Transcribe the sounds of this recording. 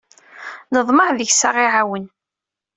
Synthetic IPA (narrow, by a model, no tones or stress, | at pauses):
nəðˤməħðəçsaʁiʕawən